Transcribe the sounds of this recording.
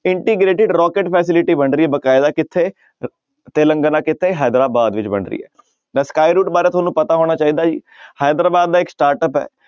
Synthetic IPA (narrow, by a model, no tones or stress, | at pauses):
ɪ̃ɳʈiːɡɾeːʈɪɖɾɔːkeʈpʰɛːs̬ɪlɪʈiːbəɳɾiːɛːbəkaːɪd̪aːkɪt̪ʰːeː | t̪eːlə̃ŋɡənãːkɪt̪ʰːeɦaːd̪ɾaːbaːd̪ʋɪt͡ʃbə̰ɳɾḭːɛ̰ː | nɛ̃ːskaːiɾuːʈbaːɾeːt̪ʰoːnũːpət̪aːɦoːɽ̃aːt͡ʃaːiːd̪aːd͡ʒḭː | haːd̪ɾaːbaːd̪̚ːaːɪksʈaːɾʈəpɦɛ̰ː